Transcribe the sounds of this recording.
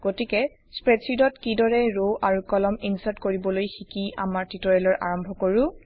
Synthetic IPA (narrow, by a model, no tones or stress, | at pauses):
ɡ̥otikɛ | spɹetsidɔtkidɔɹɛɹoʔaɹukɔlɔminsatkoɹibɔlojxikia̰maɹtitɔɹɛlɔɹʔa̰ɹɔmbʱɔkoɹʊ̃